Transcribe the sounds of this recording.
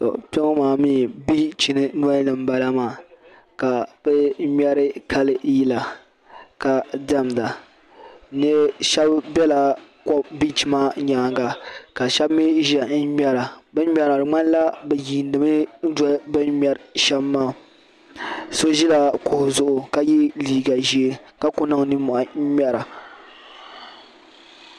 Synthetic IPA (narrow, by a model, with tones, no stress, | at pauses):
tɔ̰˨pɛ˦ŋo˦maː˨mi˦bi˦t͡ʃi˨nɨ˦n˦a˦nɨ˨m˦ba˨la˦maː˨ | ka˨b̥ɛ˦mɛ˦ɾɨ˦ka˦lɨ˦ji˦la˨ | ka˨dɛ˦m˨da˨ | nɨ˦ʃɛ˦bbɛ˦la˨kɔ˦bi˦t͡ʃi˨maː˦ɲaː˨˦ŋɡa˨ka˨ʃɛ˦bmi˦ʒɛ˨n̩˦mɛ˦ɾa˨bɨ˦nʲ˦ɛ˨ɾa˨ɾɨ˨ŋ͡ma˦n˦la˦bɛ˨ji˨n˦dɨ˨mɨ˦n̩˦dbɨ˦nmɛ˨ɾʃɛ˦bmːaː˦ | so˦ʒi˦la˨kʊ˨hʊ˨zʊ˨ʔʊ˨ka˦ji˦liː˦ɡa˨ʒi˦e˦ka˦kʊ˦na˨ŋ˦nɨ˦mʊ˨ʔa˨˦mʲɛ˦ɾa˨